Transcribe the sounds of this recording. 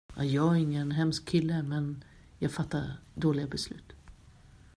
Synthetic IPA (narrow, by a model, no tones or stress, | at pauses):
ʔajɑːæɾɪŋːənɦɛmskʰːɪlːəmɛn | jɑːɡfat̪ːa̰ɾd̪oːlɪɡabɛslʉ̟ːt̪